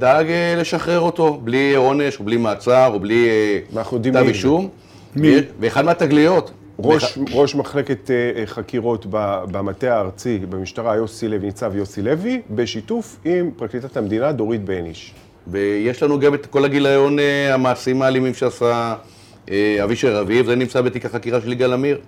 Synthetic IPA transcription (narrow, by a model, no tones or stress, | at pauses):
d̪aɡele̞ʃaχʁe̞ʁo̞t̪o̞blio̞ne̞ʃoblimaːt͡saʁoblinaχnujod̪iaviʃum | veːχad̪meat̪aɡlijo̞t̪ | ʁoʃʁo̞ʃmaχleket̪χakiʁo̞t̪babamat̪eaːʁt͡sibemiʃtaʁajosilevinit͡savjosilevibeʃit̪ufimpʁaklit̪at̪amd̪inad̪o̞ʁit̪̚beeniʃ | vejeʃlanuɡavet̪ko̞laɡilajo̞neamaːsimaːlimimʃeasa | eaviʃeʁavivzenimt͡sabet̪ikaχakiʁaʃeliɡalamiʁ